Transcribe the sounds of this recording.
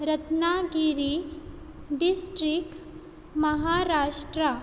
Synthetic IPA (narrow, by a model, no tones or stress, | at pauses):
ɾɐt̪naɡiɾi | ɖɪsʈɾɪk̚ | mɐɦaːɾaːʃʈɾa